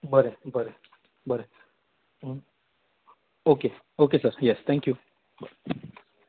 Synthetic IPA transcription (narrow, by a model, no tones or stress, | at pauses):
bəɾebəɾe | bəɾe | oːke | oːkesəɾjɛst̪ʰɛ̃ŋkju | bəɾe